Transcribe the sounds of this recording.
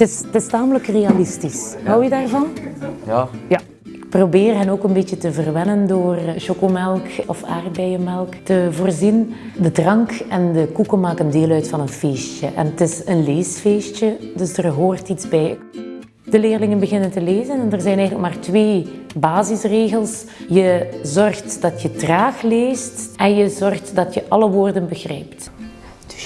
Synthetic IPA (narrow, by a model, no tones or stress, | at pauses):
tɪstɪstaːmələkreːalɪstisɦɑwjədaːrvɑn | ja | ɪk̚probeːrɦənoːkənbetjətəvərʋɛnəndoːrʃokomɛlˠkɔfa̰ːrbɛjəmɛlˠktəvoːrzin | dədrɑŋkɛndəkukəmaːkəndeːlœɥtfɑnənfeːst͡ʃəʔɛ̰nətɪsənleːsfeːst͡ʃədɵsdərɦoːrtitzbɛj | d̥əleːrlɪŋənbəɣɪnəntəleːzənɛndərzɛjnɛjɣələkmaːrtʋeːbaːzɪsreːɣəlˠs | jəzɔrxtdɑtjətraːxleːstʔɛnjəzɔrxtdɑtjəʔɑləʋoːrdənbəɣrɛ̰jpt